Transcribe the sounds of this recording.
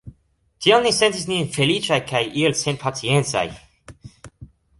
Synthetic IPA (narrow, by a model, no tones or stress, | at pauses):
t̪ionːisent̪isninfelit͡ʃajkʰajʔilsenpʰat͡siẽnt͡sa̰j